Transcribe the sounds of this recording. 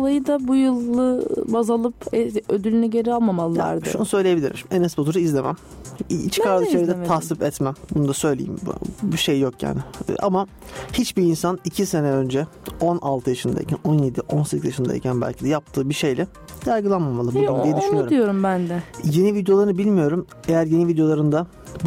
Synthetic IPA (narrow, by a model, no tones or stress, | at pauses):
olˠajɯd̪abujɯlˠːɯbazalˠɯpɛød̪ylʲynyɟe̞ɾialˠmamalˠːa̰ɾd̪ɯ̰ʃṵnusø̞jlʲeje̞bilʲiɾiɾenɛsbot̪ʰuɾuizlʲe̞mæ̰m | t͡ʃkʰaɾd̪aʃajd̪ɛahsipɛt̪mɛmbunud̪asø̞jlʲḛjḭmbiʃejːokja̰ːnɪ̰ʔa̰ma | hit͡ʃbiːnsanicʰise̞nɛø̞nd͡ʒɛ | o̞nalˠt̪ʰɯjaʃɯnd̪a̰ḭcʰæno̞nje̞d̪iʔo̞nsecʰʲizjaʃɯnd̪a̰ḭcʰænbæ̰lʲcʰid̪ɛjap̚t̪ʰɯːbiʃe̞jlʲɛ | jaɾɡɯlˠanmamalˠɯbuad̪ijɛd̪yʃynioɾijo̞ɾumbænd̪ɛje̞nivid̪jolˠaɾɯnɯbilʲmijo̞ɾum | ejæɾje̞nivid̪jo̞lˠaɾɯnd̪a